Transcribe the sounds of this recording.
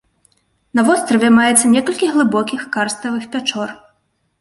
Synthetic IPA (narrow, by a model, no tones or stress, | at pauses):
nɐvɔst̪ɾɐvʲɛmajɛt̪sːɐnʲɛkɐlʲkʲiɣlˠɨbɔkʲixkarst̪ɐvɨxpʲat͡ʂɔr